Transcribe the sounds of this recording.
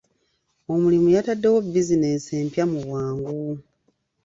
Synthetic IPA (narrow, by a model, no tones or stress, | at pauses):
o̞mulimujatadːe̞wo̞bizine̞se̞ːmpjamuβwaːŋɡu